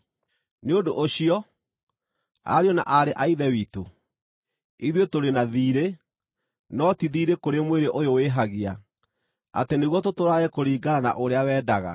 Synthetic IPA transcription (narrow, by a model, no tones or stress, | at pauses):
neodoʔoɕiɔ | a̰ɾiɔna̰ʔaɾeʔaiðɛwiːto | iðwetoɾenaðiːɾe | nɔtiðiːɾekoɾemweɾeʔojoweɦaɣia | a̰teneɣwɔtotoɾaɛkoɾiːɡaɾana̰ʔoɾeawɛːdaɣa̰